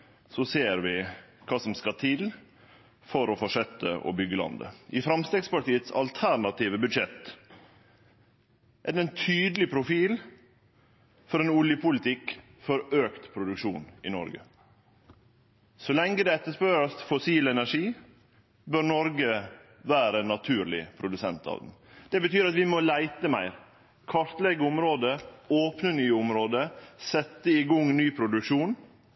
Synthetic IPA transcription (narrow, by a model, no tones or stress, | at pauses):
sɔseːɾʋɪkʰɑːsɔmskɑt̪ʰɪl | fɔɾɔfɔʂœt̪ːə̰ʔɔ̰bʏɡːəlɑ̰nd̪ə̰ʔɪfɾɑmst̪eːɡspɑʈiːət̪sɑ̰lt̪ʰæɾɳɑt̪iːʋəbʉd̪ʂɛt̪ | ʔæd̪ɛɛnt̪ʰyːd̪əlɪpʰɾʊfiːl | fɔɾenʊljəpʊlɪt̪ɪk | fɔɾøːkt̪pʰɾʊd̪ʉkʃuːnɪ̰nɔ̰ɾɡə̰ | sɔlɛŋɡəd̪ɛɛt̪ːəʂpøɾəst̪fɔsiːlɛnæʂiː | bøɾnɔɾɡə | ʋæːɾənɑt̪ʰʉːɾlɪ̰pʰɾʊd̪ʉsɛnt̪ɑ̰ːʋd̪̰n̩d̪̥ɛbət̪ʰyːɾɑt̪ʋɪmɔlæɪt̪əmæɪɾ | kʰɑɾt̪lɛɡəʊmɾoːd̪əoːpnənyːʊmɾoːd̪əsɛt̪ːəɪɡɔŋːnyːpʰɾʊd̪ʉkʂuːn